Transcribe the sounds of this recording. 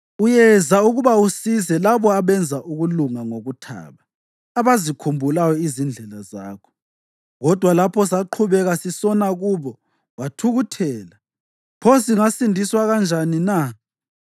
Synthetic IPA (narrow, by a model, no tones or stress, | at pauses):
ujɛzauɣuβausizɛlaβɔaβɛnd͡zʱaʔuɣuluŋaŋoɣutʰa̰ːβaː | βazikʰumbʱulajɔizind͡ɮʱɛlazaːkʰɔ̥ | ɣɔd̥ʱwalapʰɔsaǃʰuβɛɣasisɔnaɣuβɔ | watʰuɣutʰɛːla | pʰɔs̬iŋasindʱiswaɣand͡ʒʱanina